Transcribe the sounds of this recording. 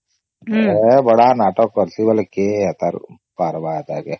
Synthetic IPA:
ebɐɽanaːʈoːkɐɾsibɐlkeɐt̪ɐɾ | paɾbaːɐt̪aːke

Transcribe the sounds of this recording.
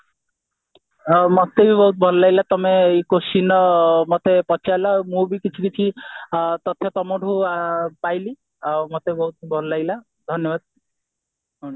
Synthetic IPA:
mɔt̪ebʱibɔɦut̪̚bʱɔllajlat̪ɔmeikosinɔmɔt̪epɔt͡ʃʰajlɔmũbikit͡ʃʰikit͡ʃʰi | t̪ɔt̪ʰjɔt̪ɔmoɖʱupajli | mot̪eibɔɦut̪̚bʱɔllajla | d̪ʱɔnjɔbad̪̚

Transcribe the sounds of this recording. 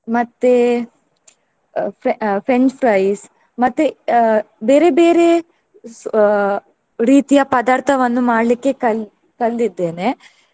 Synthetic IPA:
mɐt̪ːe | pɾepɾeɲt͡ʃpʰɾɐjs | mɐt̪ːe | beːɾe̞be̞ːɾe̞ | ɾiːt̪ijɐpɐd̪aːɾt̪ʰɐʋɐnːumaːɽlikːe̞kɐ | kɐlːid̪ːeːne̞

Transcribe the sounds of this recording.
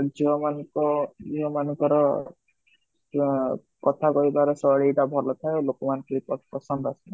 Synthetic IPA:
d͡ʒiɔmanɔŋkɔd͡ʒiɔmanɔŋkɔɾɔ | kɔt̪ʰakɔibaɾɔsɔɽeiɖabʱɔlɔt̪ʰaelokɔmanɔŋkiɾipɔpɔsɔnd̪ɔasɔna

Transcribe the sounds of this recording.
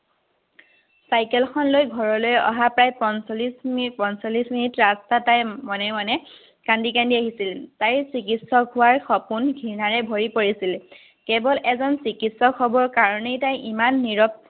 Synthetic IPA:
sajkɛlkʰɔnlojɡʱɔɹɔlojɔ̰ɦapɹajpɔnslispɔnsolisminitɹastatajmɔnɛmanɛ | kandikandiaɦisiltajsikitsɔkʰʊwaɹxɔpunɡʱinaɹɛbʱoɹipoɹisil | kɛbɔlɛzɔnsikitsɔkʰɔbɔɹkaɹɔnejtajʔimanːiɹɔp̚

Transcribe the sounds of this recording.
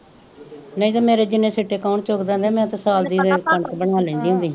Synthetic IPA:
nəĩːt̪aːmeːɾeːd͡ʒɪnːẽːseʈːeːkaːʊɳt͡ʃokd̪ɛ̃ːnd̪eːmɛ̃ːt̪ãːsaːld̪iːd̪ekəɳkbəɳaːlɛ̃ːnd̪iːɦʊ̃nd̪iːɦ

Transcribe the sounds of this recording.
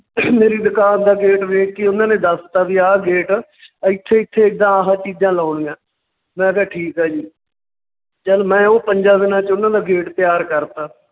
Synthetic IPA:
meːɾiːd̪əkaːnd̪aːɡeːʈʋeːkːeːʊnãːnẽːd̪əst̪aːbiːaːɡeːʈː | ɪt̪ʰːeːɪt̪ʰːeːɪk̚d̪ãːaɦãːt͡ʃiːd͡ʒãːlaːɳːɡãː | mɛ̃ːɡɛːʈʰiːkɦaːd͡ʒiː | t͡ʃəlmɛ̃ːoːpəɲd͡ʒaːd̪ɪnãːt͡ʃʊnãːd̪aːɡeːʈt̪ɪjaːɾkəɾt̪aː

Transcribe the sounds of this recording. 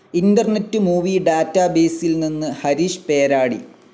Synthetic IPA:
indɐrnetːɨmuːʋiɖaːtːaːbe̞ːsilninːɨhɐɾiːʂɨ̥pe̞ːɾaːɽḭ

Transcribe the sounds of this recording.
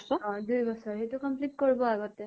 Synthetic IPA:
sɔɔ̃dujbɔsɔɹɦetukɔmpliʈ̚koɹibɔaɡɔtɛ

